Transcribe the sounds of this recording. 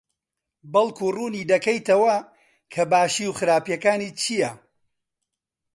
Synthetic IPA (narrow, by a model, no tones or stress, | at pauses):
bɐlˠkʰuːruːniːd̪ɐkɐjt̪ɐwɐ | kʰɐbaːʃiːwxɨɾaːpjɐkaːniːt͡ʃʰijɐ